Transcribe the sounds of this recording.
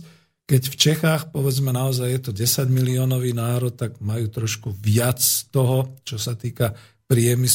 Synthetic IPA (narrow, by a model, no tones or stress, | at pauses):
kɛcft͡ʃɛxaːxpɔʋɛd͡zmɛnaɔzajjɛt̪ɔɟɛsaɟmiliɔːnɔʋiːnaːɾɔt̪̚ːaɡmajuːt̪ɾɔʃkuʋɪat͡st̪ɔɦɔt͡ʃɔsat̪iːka | pɾɪɛmis